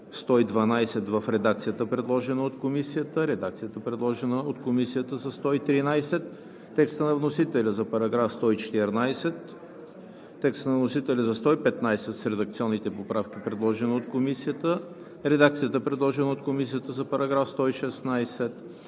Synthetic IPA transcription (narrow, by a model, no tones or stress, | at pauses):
st̪ɔid̪vɐnajsɛt̪vəfɾɛd̪ak̚t̪sijət̪əpɾɛd̪lˠɔʒɛnəot̪komisijət̪əɾɛd̪ak̚t̪sijət̪əpɾɛd̪lˠɔʒɛnəot̪komisijət̪əzɐst̪ɔit̪ɾinajsɛt̪ː | ɛkst̪ənɐvnosit̪ɛlʲəzɐpɐɾɐɡɾafst̪ɔit͡ʃɛ̥t̪ɛɾnajsɛt̪ | ɛkst̪ənɐvnosit̪ɛlʲəzɐst̪ɔipɛt̪najsɛt̪sɾɛd̪ɐkt̪siɔnːit̪ɛpopɾafk̟ipɾɛd̪lˠɔʒɛnəot̪̚komisijət̪ə | ɾɛd̪ak̚t̪sijət̪əɛpɾɛd̪lˠɔʒɛnəot̪komisijət̪əzɐpɐɾɐɡɾafst̪ɔiʃɛsnajsɛt̪